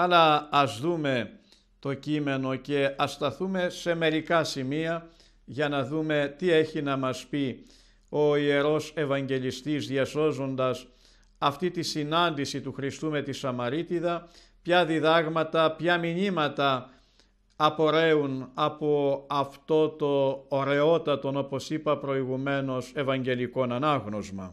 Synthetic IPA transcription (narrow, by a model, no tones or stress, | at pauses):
ɐlɐːzðume̞ | t̪o̞cime̞no̞ce̞ɐst̪ɐθume̞se̞me̞ɾikɐsimiɐ | ʝɐnɐðume̞t̪ie̞çinɐmɐspi | o̞ie̞ɾo̞se̞vɐɲɟe̞list̪izðjɐso̞zo̞nd̪ɐs | ɐft̪it̪isinɐnd̪isit̪uxɾist̪ume̞t̪isɐmɐɾit̪iðɐ | pçɐðiðɐɣmɐt̪ɐpçɐmiɲimɐt̪ɐ | po̞ɾe̞unɐpo̞ɐft̪o̞t̪o̞ːɾe̞o̞t̪ɐt̪o̞no̞po̞sipɐpɾo̞iɣume̞no̞se̞vɐɲɟe̞liko̞nɐnɐɣno̞zmɐ̰